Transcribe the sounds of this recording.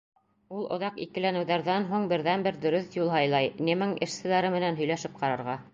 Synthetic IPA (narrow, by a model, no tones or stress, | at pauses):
ulˠʔŏðɑqḭkɘ̆lænɘ̆wðæɾðænɦuɴbɘ̆ɾðænbɘɾd̪ɵ̆ɾɵθjulˠɦɑjlˠɑjnʲɘmɘŋɘ̆ʃsɘ̆læɾɘmɘ̆nænɦɵ̆jlæʃɘp̚qɑɾɑɾʁɑ